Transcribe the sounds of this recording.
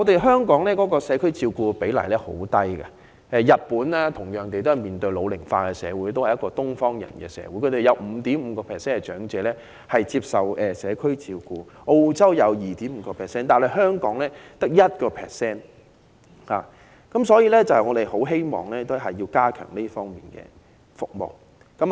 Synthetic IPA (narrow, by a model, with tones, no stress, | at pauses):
ŋɔː˨˧t̪e˨˩jɦœː˥ŋkɔː˨˥ŋlɛː˥kɔː˨˥kɔː˧sɛː˨˧˥kʰɵ˥ɥt͡siː˧wkuː˧pe˨˥jlɐ˨˩jlɛː˥ho̰˨˥wt̪ɐ˥jkɐ̰˨ | ɛ˧jɐ˨˩t̚puː˨˥nlɛː˥t̪ʰʊ˨˩ŋjœː˨˩ŋt̪e˨jt̪o˥hɐ˨jmiː˨˩nt̪ɵ˧ɥlo˨˧wlɪ˨˩ŋfaː˧kɛ˧sɛ̰ː˨˧wuː˨˥jt̪o˥whɐ˨jɐ˥kɔː˧t̪ʊ˥ŋfɔː˥ŋjɐ̰˨˩nkɛ̰ː˧sɛ̰ː˨˧wuː˨˥jkʰɵ˨˧t̪e˨jɐ˨˧wm̩˨˧˥t̪iː˨˥mm̩ː˨˧˦kɔː˧pʰɛː˨˩sɛː˥nkɛ˧t͡ʃœː˨˥ŋt͡sɛː˨˧lɛː˥ | hɐ˨jt͡siː˧p̚sɐ˨˩wɛː˨sɛː˨˧kʰɵ˥ɥt͡siː˧wkuː˧ʔo˧wt͡sɐ˥wjɐ˨˧wjiː˨t̪iː˨˥m̩˨˧˦kɔː˧pʰɛː˨sɛː˥nt̪aː˨nhɐ˨jɦœː˥ŋkɔː˨˥ŋlɛː˦˥t̪ɐ˥k̚jɐ˥t̚kɔː˧pʰɛ̰ː˨ksɛː˥n | haː˨ | kɐ˨˥msɔː˨˥jiː˧˥lɛː˥t͡sɐ˨whɐ˨jŋɔː˨˧d̪e˨jho˨˥wɦe˥jmɔ̰ː˨˩ŋlɛː˥t̪o˥ɦɐ˨jːiː˧kaː˥kʰœ̰ː˨˩ŋli˥fɔː˥ŋmḭː˨˩nkɛ̰ː˧ | fʊ˨k̚mo̰˨w | kɐ˨˥